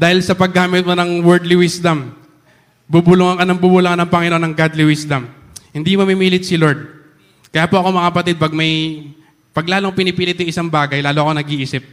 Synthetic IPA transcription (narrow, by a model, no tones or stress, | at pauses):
d̪aːhɪlsɐpɐɡːaːmɪt̪̚monɐŋwɛɹd̪liwisd̪ɐm | bubʊlʊŋɐŋkɐnɐŋbubʊlʊŋɐnɐŋpɐŋɪnoʔonɐŋɡad̪liwisd̪ɐm | hɪnd̪imɐmimiːlɪt̪̚sɪloɹd̪̚ | kɐjaːpoʔɐko̞mɐŋɐpɐt̪ɪd̪̚pɐɡ̚mɐj | pɐɡlaːloŋpɪnɪpiːlɪt̪jʊŋʔɪsaŋbaːɡɐjlaːloɐko̞nɐɡiʔiːsɪp̚